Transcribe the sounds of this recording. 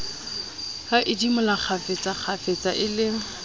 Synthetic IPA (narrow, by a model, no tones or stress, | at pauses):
haʔɪdimʊlaχʰafet͡sʼaχʰafet͡sʼaʔɪlɪ